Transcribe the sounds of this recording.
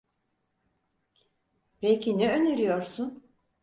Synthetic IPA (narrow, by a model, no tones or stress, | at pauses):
pejcʰinɛøneɾijoɾsun